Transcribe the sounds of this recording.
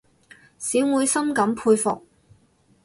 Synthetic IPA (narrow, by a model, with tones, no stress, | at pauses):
siː˨˥wwuː˨˧jsɐ˥mkɐ˨˧˥mpʰuː˧jfʊ˨k̚